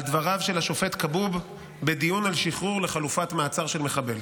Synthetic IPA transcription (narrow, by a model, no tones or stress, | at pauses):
ald̪vaʁavʃelaʃo̞fe̞t̪kabub | be̞d̪ijunalʃiχʁuʁle̞χalufatmaːt͡saʁʃe̞lme̞χabe̞l